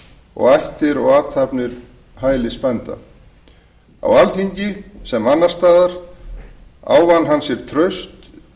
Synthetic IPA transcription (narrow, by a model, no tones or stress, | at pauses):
ɔ̰ɣajht̪ɪɾɔɣaːt̪ʰapnɪɾ̥ | ɦaːjlɪspɛnt̪a̰ | a̰walθiɲcɪsɛmanːast̪aːðaɾ̥ | a̰ːwvanːɦansjɛɾ̥t̪ʰɾœɥst̪